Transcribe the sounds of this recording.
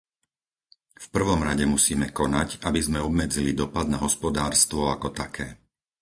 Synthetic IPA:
fpr̩ʋɔmɾaɟɛmusiːmɛkɔnacabizmɛɔbmɛd͡zilid̪ɔpad̪naɦɔspɔd̪aːɾst̪ʋɔakɔt̪akʰɛː

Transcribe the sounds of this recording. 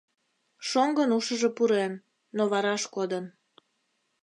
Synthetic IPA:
ʃoŋɡənuʃəʒepuɾenː | oβɑɾɑʃkod̪ən

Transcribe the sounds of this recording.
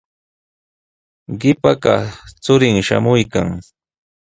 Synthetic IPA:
ɢɪpakat͡sʊɾɪŋʃa̰mʊjkaŋ

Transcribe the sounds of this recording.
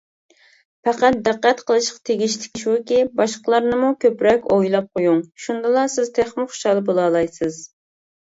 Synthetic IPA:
pæqæt̪̚d̪æqːæt̪qʰəlˠɨʃqɑ̥t̪ʰeɡʲiʃt̪ɪ̥kʲʃwʊkʲibɑʃqəlˠɑɾnɨmukʲʰøpɾɛkʲojlˠɑp̚qʰojuŋʃund̪ɨlˠɑsɪz̥t̪ʰeχmɨχo̥ʃɑːlˠɨbolˠɑːlˠɑjsɨz

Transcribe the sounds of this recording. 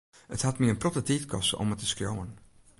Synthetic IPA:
əthatmiənprɔtətitkʰɔstɔ̰mətəskrjo̰wən

